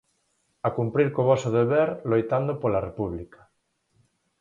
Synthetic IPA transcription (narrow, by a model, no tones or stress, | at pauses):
akumpɾiɾkoβɔsoðeβeɾlojt̪and̪opolarepuβlikḁ